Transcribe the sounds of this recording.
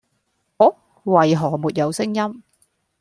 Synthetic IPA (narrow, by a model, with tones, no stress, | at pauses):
hoː˨˥ | wɐ˨˩jɦɔː˨˩muː˨t̚jɐ˨˧wsɪ˥ŋjɐ˥m